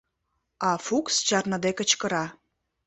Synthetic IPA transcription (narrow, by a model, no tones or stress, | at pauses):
ɑfukst͡ɕɑrnə̆d̪ekə̆t͡ɕkə̆ɾɑ